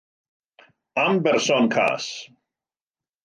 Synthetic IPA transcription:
ambɛrsɔnkʰa̰s

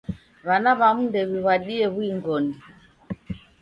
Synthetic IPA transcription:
βanaβamundɛβiβwaɗiɛβwiŋɡɔni

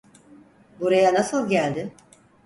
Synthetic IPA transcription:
buɾajanasɯlˠɟælʲd̪ɪ

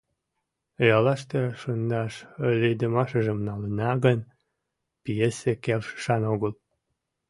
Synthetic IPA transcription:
jɑlɑʃt̪eʃənd̪ɑʃəlʲed̪əmɑʃəʒəmnɑlənɑɣən | pijesekelʃə̥ʃɑnoɣəl

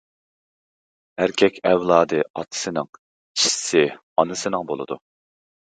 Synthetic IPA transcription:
æɾkʲʰɛkʲʰɛvlˠɑːd̪ɨɑt̪ʰɨ̥sɨnɨŋ | t͡ʃʰi̥ssɪ | ɑnɨsɨnɨŋbo̰lˠɨ̰d̪ṵ

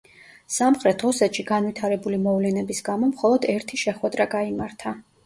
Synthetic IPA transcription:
samχɾɛt̪ʰusɛt̪ʃiɡanvwit̪ʰaɾɛbulimɔvlɛnɛbisɡamɔmχɔlˠɔd̪ɛɾt̪ʰiʃɛχwɛd̪ɾaɡaimaɾt̪ʰa

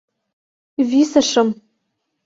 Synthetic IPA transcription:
visaʂɨm

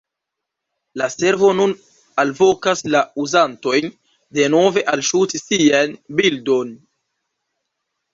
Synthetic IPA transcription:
lase̞ɾvo̞nun | alvo̞kaslauzanto̞jn | de̞no̞ve̞ʔalʃutisianbildo̞n

